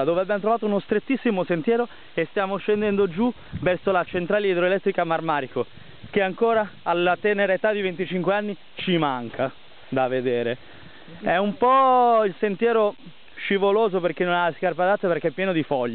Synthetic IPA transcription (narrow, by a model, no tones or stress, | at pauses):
d̪oːveabjamot̪ɾovaːt̪ounost̪ɾet̪ːisːimosent̪jɛːɾo | est̪jaːmoʃend̪ɛnd̪od͡ʒu | vɛrsolat͡ʃent̪ɾaːleid̪ɾoelɛt̪ːɾikamarmaːɾiko | keaŋkoːɾaːlːat̪ɛneɾaet̪ad̪ivent̪it͡ʃiŋkweanːi | t͡ʃimaŋkʰa | d̪aved̪eːɾe | ɛumpɔilsent̪jɛːɾo | ʃivoloːzoperk̟enːonaskarpad̪at̪ːaperkeɛpːjɛːnod̪ifɔʎː